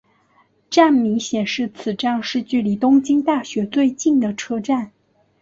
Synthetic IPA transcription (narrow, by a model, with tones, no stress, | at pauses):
ʈ͡ʂa˥˩nmi˧˥ŋɕjɛ˨˩nʂɻ̩˥˩t͡sʰɹ̩˨˩ʈ͡ʂɑ˥˧ŋʂɻ̩˥˧t͡ɕy˥˩li˧˥t̪ʊ˥ŋt͡ɕi˥ŋt̪a˥˩ɕɥɛ˧˥t͡swe˥˧ɪt͡ɕi˥˩nd̪ə˩ʈ͡ʂʰɤ˥ʈ͡ʂa˥˩n